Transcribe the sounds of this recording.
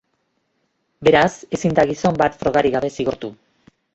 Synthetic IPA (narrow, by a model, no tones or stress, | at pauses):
be̞ɾase̞sind̪aɣiso̞mbat̪fɾo̞ɣ̞aɾiɣaβe̞siɣo̞ɾt̪u